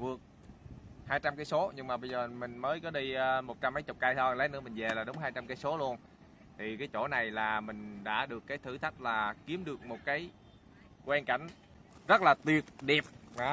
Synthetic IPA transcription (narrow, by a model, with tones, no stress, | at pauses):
vɨ˨˩ək̚ | haː˧jt͡ɕa˧mkaː˨˦jso˨˦ɲɨ˧ŋŋ͡mmaː˨˩ɓə˧jzəː˨˩mï˨˩ŋ̟məː˨˦jkɔ˨˦ɗiː˧mo˨˩t̚t͡ɕa˧mːə˨˦jt͡ɕʊ˨˩k͡p̚kaː˧jt̪ʰŋlə˨˦nɨ̰˧˥əmï˨˩ŋ̟ve˨˩laː˨˩ɗo˨˦wŋ͡mɦaː˧jt͡ɕa˧mkaː˨˦jso˨˦lu˧ən | t̪ʰi˨˩kaː˨˦jt͡ɕo˧˩na˨˩jlaː˨˩mï˨˩ŋ̟ɗa̰ː˧˥ɗɨ˨˩əkːaː˨˦jt̪ʰɨ˧˩t̪ʰa˦˥k̚laː˨˩ki˨˦əmɗɨ˨˩ək̚mo˨˩t̚kaː˨˦j | kwɛ˧nka˧˩jŋ̟ | zə˦˥t̚laː˨˩t̪wi˨˩ət̚ɗi˨˩əp̚ː